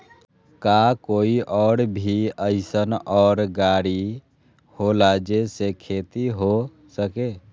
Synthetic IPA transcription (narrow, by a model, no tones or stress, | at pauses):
kakoːiʔɔːɽbʱiəɪsənɔːɾɡaːɽi | holad͡ʒesekʰeːt̪iɦo | səke